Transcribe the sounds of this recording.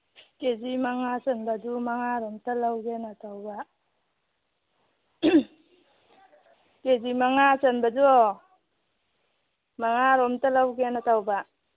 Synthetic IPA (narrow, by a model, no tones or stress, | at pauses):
kezimaŋasənbadumaŋaɾɔmtalawɡenatʰawba | kezimaŋasənbad͡ʒu | maŋaɾɔmtalawɡenatʰawba